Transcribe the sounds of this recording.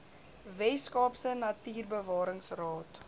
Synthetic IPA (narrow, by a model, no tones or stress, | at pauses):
vɛskɑːpsənɐtiːrbəvɑːɾəŋsrɑːt